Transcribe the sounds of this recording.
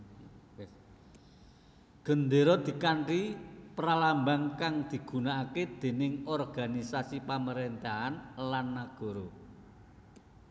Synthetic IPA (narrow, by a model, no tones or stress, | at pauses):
ɡ̥ə̤nd̪eɾɔd̪̥i̤kaɳʈipəɾalambaŋkaŋd̪̥i̤ɡ̥ṳnaʔaked̪̥e̤nɪŋɔrɡ̥a̤nisasipaməɾent̪ahanlanːaɡ̥ɔ̤ɾo